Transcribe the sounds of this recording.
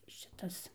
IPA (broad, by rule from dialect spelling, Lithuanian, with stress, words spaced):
ʃʲɪˈtɐs